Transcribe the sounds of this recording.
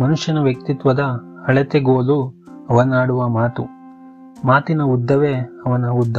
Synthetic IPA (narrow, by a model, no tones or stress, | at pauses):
mɐnuʂjɐnɐʋjɐk̚t̪it̪ʋɐd̪ɐɐɭet̪eɡoːlu | ɐʋɐnaːɽuʋɐmaːt̪u | maːt̪inɐud̪ʱːɐʋeɐʋɐnɐud̪ʱːɐ